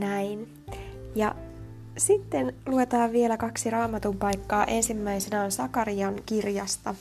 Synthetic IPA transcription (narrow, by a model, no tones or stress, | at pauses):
næin | jɑ | sit̪ːe̞nlue̞t̪ɑːʋʋie̞lækɑksiɾɑːmɑt̪umpɑjkːɑːʔe̞nsimːæjsenæonsɑkɑɾiɑŋkirjɑst̪ɑ